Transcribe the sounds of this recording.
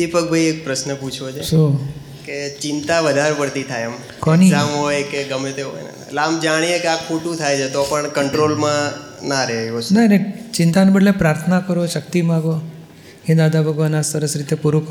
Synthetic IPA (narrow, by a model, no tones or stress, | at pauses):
d̪ipək̚bʱajek̚pɾəsnəput͡ʃʰʋot͡ʃʰeʃo | ket͡ʃɪ̃nt̪aʋəd̪ʱaɾpəɽt̪it̪ʰajam | kɔniãmɦojkeɡəmet̪eɦo̰jna̰ | lamd͡ʒaɽ̃iekeakʰoʈũt̪ʰajt͡ʃʰet̪ɔpəɳkəɳʈɾolmã | naɾɛonanet͡ʃɪ̃nt̪anbəɽlepɾaɾt̪ʰənakəɾoʃək̚t̪imãɡo | ɦĩd̪ad̪ʱabʱəɡʋanasəɾəsɾit̪epuɾuk